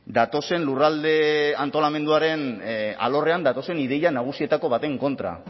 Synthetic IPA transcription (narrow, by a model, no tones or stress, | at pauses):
d̪at̪o̞se̞nlurald̪e̞ant̪o̞lame̞nd̪uaɾe̞na̰lo̞re̞and̪at̪o̞se̞nið̞e̞janaɣ̞usie̞t̪ako̞βat̪e̞ŋko̞nt̪ɾa̰